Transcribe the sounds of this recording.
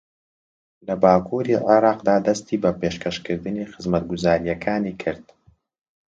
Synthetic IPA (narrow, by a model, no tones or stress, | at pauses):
lɐbaːkʰuːɾiʕɪɾˤɑːqd̪aːd̪ɐst̪iːbɐpeːʃkʰɐʃkɨɾd̪ɨniːxɨzmɐt̪̚ɡʊzaːɾijɛkʰaːniːkʰɨɾd̪̥